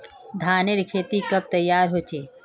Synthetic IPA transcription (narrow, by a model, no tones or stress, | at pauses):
d̪ʱaːneɾkʰeːt̪ikɐb̚t̪ɐjːaːɾɦoːt͡ʃeː